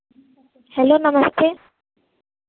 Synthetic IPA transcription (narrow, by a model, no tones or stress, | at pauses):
hɛlonamast̪ʰe